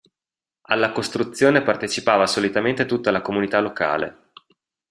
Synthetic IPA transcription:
a̰lːakost̪ɾut̪sːjoːnepart̪et͡ʃipaːvasolit̪ament̪et̪ut̪ːalakomunit̪aloka̰ːlḛ

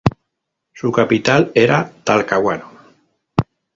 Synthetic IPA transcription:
sukapit̪aleɾat̪alkawano

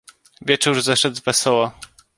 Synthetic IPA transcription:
vʲjɛt͡ʂuɾzɛʂɛd̪zvɛsɔwa

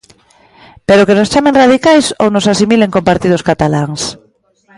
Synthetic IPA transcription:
peɾokenost͡ʃamẽŋrað̞ikajso̰wnosasimileŋkompaɾt̪ið̞oskat̪alaŋs

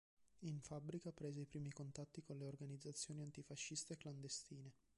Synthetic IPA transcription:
iɱfabɾikapɾeːzeipɾiːmikont̪at̪ːikonleorɡanid̪zːat̪sːjoːniant̪ifaʃːist̪eːkːland̪est̪iːne

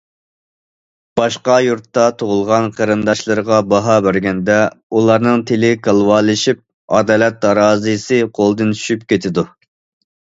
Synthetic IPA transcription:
b̥ɑʃqɑjuɾt̪ːɑt̪ʰoʁʊlˠʁɑnqʰəɾɨnd̪ɑʃlˠɨɾəʁɑbɑɦɑbæɾɡʲɛnd̪ɛulˠɑɾnɨŋt̪ʰelɪkʰɑlˠwɑːlˠɨʃip̚ | ɑ̰d̪ɑːlɛt̪̚ːɑɾɑːzɨsɨqʰolˠd̪ɨnʃypkʲʰet̪ʰɪd̪u

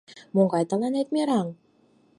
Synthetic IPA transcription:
moɴɡɑjt̪ɑ̆lˠɑnet̪mʲeɾɑŋ

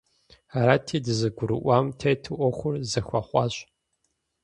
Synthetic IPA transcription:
aɾaːtʰiːdɨzɨɡʷʊɾɨ̰ʔʷaːmtʰejtʰɨʔʷɔxʷʊrzɐxʷɑχʷɑːɕʼ

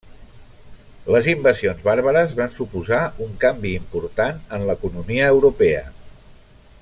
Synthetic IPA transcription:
ləzimbəsionzβaɾβ̞əɾəzβansupuzauŋkambiːmpuɾt̪anənləkunumiəːwɾupɛə̰

